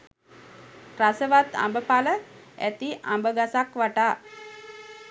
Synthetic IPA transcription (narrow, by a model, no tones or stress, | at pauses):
rasəʋat̪a̰mbəpalə | æ̰t̪iʔa̰mbəɡasakʋaʈaː